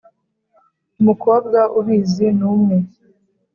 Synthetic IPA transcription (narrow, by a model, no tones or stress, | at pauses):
umukoːb̚ɡaʔuhiːzinuːmŋe